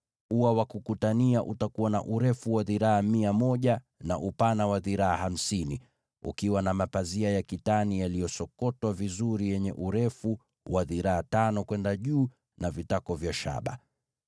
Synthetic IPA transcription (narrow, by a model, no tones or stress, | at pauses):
uwawakukutaniaʔutakuwana̰ʔuɾɛfuwaðiɾaamiamɔʄa | na̰ʔupanawaðiɾaaham̩sini | ṵkiwanamapaziajakitanijalijɔsɔkɔtwavizuɾijɛɲɛ̰ʔuɾɛfu | waðiɾaatanɔkwɛndaʄuː | navitakɔvjaʃa̰ɓa̰